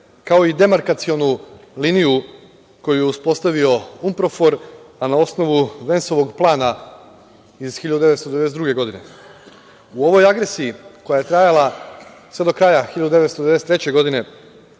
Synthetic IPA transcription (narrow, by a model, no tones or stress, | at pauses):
kao̞id̪e̞maɾkat̪sio̞nuliniju | ko̞jujeuspo̞st̪aʋio̞umpɾofo̞ɾanao̞sno̞ʋuʋe̞nsoʋo̞ɡplˠaːna | izxiʎad̪ud̪eest̪od̪eet̪d̪uɡe̞ɡo̞d̪ine̞̰ | uo̞ʋo̞jaɡɾe̞siːko̞jaje̞t̪ɾajala | sʋe̞d̪o̞kɾajaxiʎad̪ud̪eʋe̞t̪sd̪edeset̪ɾet͡ɕe̞ɡo̞d̪ine̞